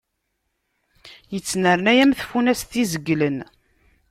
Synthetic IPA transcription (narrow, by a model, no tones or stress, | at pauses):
jət͡sːnəɾnæjæmθfunæst̪izəɡːlən